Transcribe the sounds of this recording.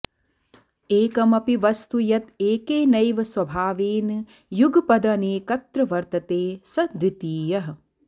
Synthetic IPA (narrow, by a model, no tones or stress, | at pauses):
eːkɐmɐpiʋɐst̪ujɐt̪eːkeːnɐjʋɐswɐbʱaːʋeːn | juɡpɐd̪ɐneːkɐt̪ɾɐʋɐɾt̪ɐt̪eːsɐd̪ʋit̪iːjɐɦɐ̆